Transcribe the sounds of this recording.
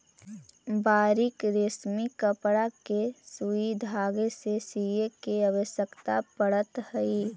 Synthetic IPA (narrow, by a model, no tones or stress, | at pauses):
baːɾikɾesmikəpɽakesuid̪ʱaːɡesesijekeəʋəʃjəkt̪apəɽət̪həi